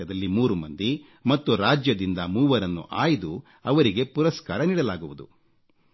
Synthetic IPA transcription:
ɐd̪ɐlːimuːɾumɐnd̪i | mɐt̪ːuɾaːd͡ʒjɐd̪ind̪ɐmuːʋɐɾɐnːṵʔaːjid̪u | ɐʋɐɾiɡe̞puɾɐskaːɾɐniːɽɐlaːɡuʋud̪ṵ

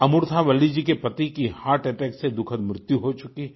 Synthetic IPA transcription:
ɐmʊɾt̪ʰaʋɐlid͡ʒikepɐt̪ikihaːɾʈɛʈɛːksed̪ʊkʰəd̪mɾɪt̪juɦot͡ʃʊki

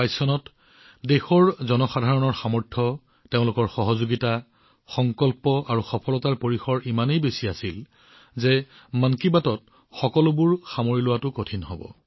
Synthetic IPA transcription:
ajsɔnɔt | dexɔɹzɔnɔxadʱaɹɔnɔɹxamɔɹtʰɔ | teʊ̃lʊkɔɹxɔɦɔzoɡita | xɔŋkɔlpɔʔaɹuxɔpʰɔlɔtaɹpoɹixɔɹimanejbesiasil | zɛ | mankibatɔt̚ | xɔkɔlʊbʊɹxamoɹilʊwatʊkotʰinɦɔbɔ̰

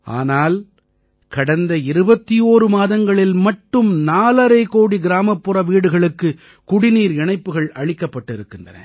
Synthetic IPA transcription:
ʔa̰ːnaːl | kɐɽɐnd̪ɐɪɾɯbɐt̪ːijoːɾɯmaːðɐŋɡɐɭɪlmɐʈːɯmnaːlɐɾɐɪkoːɽiɡɪɾaːmɐpːɯrɐʋiːɽɯɣɐɭɯkːɯ | kʊɽɪniːɾɛɳɐɪpːɯɣɐɭɐɻɪkːɐpːɐʈːɪɾɯkːɪndrɐ̰nɐ̰

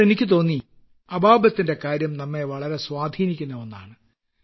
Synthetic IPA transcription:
enikʲːɨt̪̬o̞ːnːi | ɐbʱaːbɐt̪ːinde̞kaːɾjɐmnɐmːe̞ʋɐɭɐɾe̞swaːd̪ʱiːnikʲːunːɐonːa̰ːɳɨ

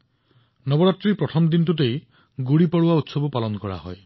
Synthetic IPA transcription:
nɔbɔɾatːɾipɾɔtʰɔmd̪intutej | ɡuɽipɔɽuaut̪sɔbɔpalɔnkɔɹa̰hɔ̰j

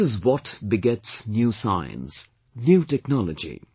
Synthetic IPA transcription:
ɨzwɔtbɪɡɛtsnjusaɪə̰̃ns | njuːtɛknɑləd͡ʒḭ

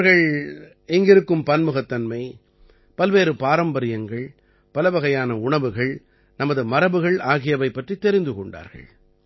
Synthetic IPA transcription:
ɾɣɐɭ | ɛŋɡɪɾɯkːɯmpɐnmɯɣɐt̪ːɐnmɐɪ | pɐlʋeːɾɯpaːɾɐmbɐɾɪjɐŋɡɐɭ | pɐlɐʋɐɣɐjaːnɐʊɳɐʋɯɣɐɭ | nɐmɐðɯmɐɾɐbɯɣɐɭaːɣɪjɐʋɐɪpːɐʈrit̪ːɛɾɪnd̪ɯkɔɳɖa̰ːɾɣɐ̰ɭ

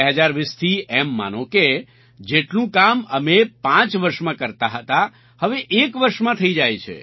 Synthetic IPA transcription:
ɛɦəd͡ʒaɾʋist̪ʰiɛmːa̰nõke | d͡ʒeʈnũkamə̰mepãt͡ʃʋəɾʃmãkəɾt̪aɦət̪a | həʋeʔekʋəɾʃmãt̪ʰəid͡ʒajt͡ʃʰḛ

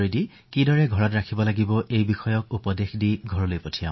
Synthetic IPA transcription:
ɹidi | kidɔɹɛɡʱɔɹɔtɹakʰibɔlaɡibɔʔejbixɔjɔk̚upɔdexdiɡʱɔɹɔlojpotʰijã̰

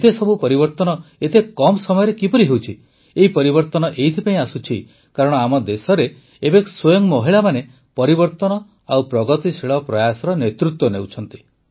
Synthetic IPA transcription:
et̪esɔbʱupɔɾibɔɾt̪ɔnɔet̪ekɔmsɔmɔjɔɾekipɔɾiɦewt͡ʃʰi | eɦipɔɾibɔɾt̪ɔnɔʔeit̪ʰipaĩasut͡ʃʰi | kaɾɔɽ̃ɔamɔd̪esɔɾeː | bekswojɔŋmɔɦiɭamane | pɔɾibɔɾt̪ɔnɔ | awpɾɔɡɔt̪iseɭɔpɾɔjasɔɾɔnet̪ɾut̪wɔnewt͡ʃʰɔn̪t̪i̥

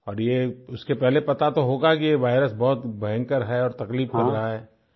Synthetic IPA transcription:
ɔːɾjeʊskepɛɦlepɐt̪at̪oɦoːɡakieʋaːɪɾəsbɔɦʊt̪bɐɦə̃ŋkəɾɦɛɔːɾt̪ɐkliːbkɐɾːɐɦaɦɛː

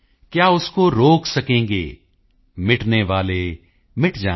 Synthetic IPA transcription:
kjaːʊskoɾoːksɐkẽːŋ̆ɡḛː | mɪʈneʋaːleː | mɪʈd͡ʒaː

